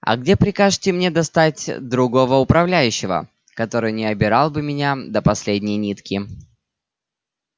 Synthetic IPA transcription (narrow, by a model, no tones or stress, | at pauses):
ɐ̰ɡdʲepɾʲɪkaʐtʲɪmnʲed̪ɐst̪atʲd̪ɾʊɡo̞vəʊpɾɐvlʲæjʉɕːɪvə̰ | kɐt̪o̞ɾɨjnʲɪɐbʲɪɾɑlˠbɨmʲɪnʲad̪əpɐsʲlʲedʲnʲɪjnʲit̪kʲɪ